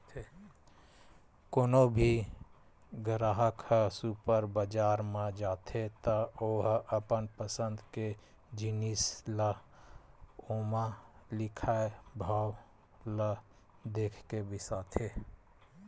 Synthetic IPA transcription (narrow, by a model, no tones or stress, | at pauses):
koːnobʱi | ɡəɾaːɦəksupəɾbəd͡ʒaːɾmed͡ʒaːt̪ʰet̪əoːɦəpənpəsə̃nd̪ke | d͡ʒinislə | omalɪkʰaebʱaw | lə | d̪eːkʰkebʱisaːt̪ʰe